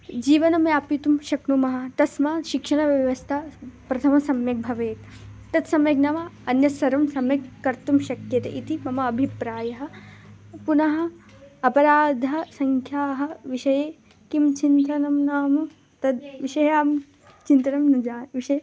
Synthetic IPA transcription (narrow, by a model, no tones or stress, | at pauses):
d͡ʒiːʋɐnɐmjaːpit̪umʃɐknumɐɦɐ̆t̪ɐsmaːʃikʂɐɳɐʋjɐʋɐst̪ʰaːpɾɐt̪ʰɐmɐsɐmjɐk̚bʱɐʋeːt̪ | t̪ɐt̪sɐmjɐɡnɐmɐɐnjɐsɐɾɐmsɐmjɐkːɐɾt̪umʃɐkjɐt̪ḛʔit̪imɐmɐːbʱipɾaːjɐɦɐ̆ | punɐɦɐ̆ | ɐpɐɾaːd̪ʱɐ̆sɐŋkʰjaːɦɐ̆ʋiʃɐjeː | kimt͡ʃint̪ɐnɐmnaːmɐ | t̪ɐd̪ʋiʃɐjaːm | t͡ʃint̪ɐnɐmnɐd͡ʒaːʋiʃɐje